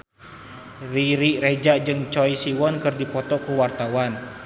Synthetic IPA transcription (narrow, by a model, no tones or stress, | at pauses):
riɾired͡ʒad͡ʒɨŋt͡ʃɔjsiwɔnkɨrdipɔt̪ɔkuwart̪awan